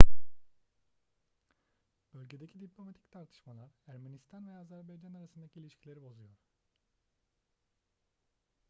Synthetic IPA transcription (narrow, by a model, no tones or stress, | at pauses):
b̥ølʲɟe̞d̪ecʰid̪iplʲo̞mat̪ʰi̥ct̪ʰaɾt̪ʰɯ̥ʃmalˠaɾæɾmenist̪ʰanvɛazæɾbajd͡ʒanaɾasɯnd̪acʰilʲiʃcʰilʲe̞ɾibo̞zujo̞ɾ̥